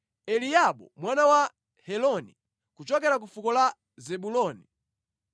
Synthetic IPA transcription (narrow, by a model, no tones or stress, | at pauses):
ɛliaɓɔ̰mwanawa | hɛlɔni | kut͡ʃɔkɛɾak̬ufukɔla | zɛɓulɔni